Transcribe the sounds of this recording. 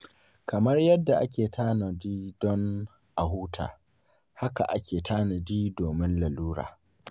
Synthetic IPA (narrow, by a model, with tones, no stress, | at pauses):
kɐ˨mɐ˦rjɐ˦dːa˨ʔa˦kʲeː˨tʰaː˦na˨diː˦dɔ˦n | ʔa˨huː˦tʰa̰ː˨ | ha˦ka̰˨ʔa˦kʲeː˨taː˦na˨diː˦doː˨mɪ˦nla˨luː˦ɽa̰ː˨